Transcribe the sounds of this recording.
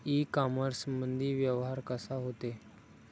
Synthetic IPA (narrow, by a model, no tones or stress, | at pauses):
ikaməɾsmənd̪ʱiːʋjəʋɦaɾkəsaɦot̪e